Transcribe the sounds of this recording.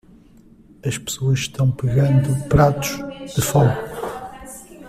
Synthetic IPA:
ɐʃpɨ̥soɐʃʃt̪ɐ̃w̃pɨɣɐ̃nd̪upɾat̪u̥ʒðɨfɔɣu

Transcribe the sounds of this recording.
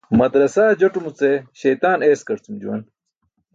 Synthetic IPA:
mɐd̪ɾɐsaːd͡ʑoʈumut͡seɕɐjt̪aːneːskɐɾt͡sumd͡ʑuwɐn

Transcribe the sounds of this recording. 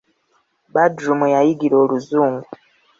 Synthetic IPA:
badɾumujajiɡiɾo̞ːluzuːŋɡu

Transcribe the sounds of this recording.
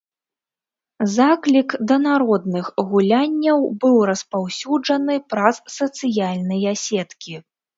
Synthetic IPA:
zaklʲikd̪ɐnaɾɔd̪nɨxɣulʲanʲːɐwbɨwɾɐspawsʲud͡ʐɐnɨpɾɐsːɐt̪sɨjalʲnɐjasʲɛt̪kʲi

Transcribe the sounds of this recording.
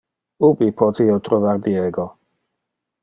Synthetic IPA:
ubipʰɔt̪ʰiowt̪ɾɔvaɾd̪iɛɡɔ

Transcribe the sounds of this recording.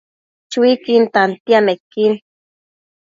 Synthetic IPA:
t͡ʃwikint̪ant̪iamekːin

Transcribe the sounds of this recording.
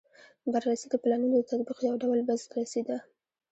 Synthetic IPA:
baɾːasid̪əplɑnunod̪ət̪at̪biqjawɖawlbazt̪ɾased̪a

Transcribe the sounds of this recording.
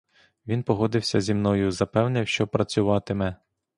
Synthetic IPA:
ʋʲinpɔɦɔd̪ɪwsʲɐzʲimnɔjʊzɐpɛwnɪwʃt͡ʃɔpɾɐt͡sʲʊʋɑt̪ɪmɛ

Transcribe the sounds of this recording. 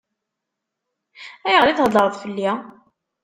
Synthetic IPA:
æjəʁliθhəlˤːəɾˤðˤfəlːi

